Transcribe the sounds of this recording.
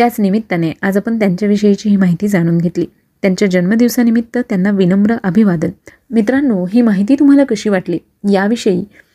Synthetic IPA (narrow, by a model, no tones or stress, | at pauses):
t̪jat͡snimit̪ːaneʔad͡zapəɳt̪jaɲt͡ɕjaʋiʂəjit͡ɕiːɦiːmaɦit̪iːd͡zaɽ̃uːnɡʱet̪lḭː | t̪jaɲt͡ɕjad͡ʑənməd̪iʋsanimit̪ːət̪janːaʋinəmbɾəʔəbʱiʋad̪ən | mit̪ɾanːuːɦiːmaɦit̪̬iːt̪um̤alakəɕiːʋaʈliː | jaʋiʂəiː